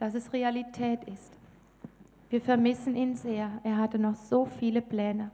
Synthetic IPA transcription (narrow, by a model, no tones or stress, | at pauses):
d̥asɛsʁealitʰɛːtɪst | viːɐfɛɐmɪsn̩ʔiːnzeːɐʔeːɐɦatənɔχz̥oːfiːləplɛːnə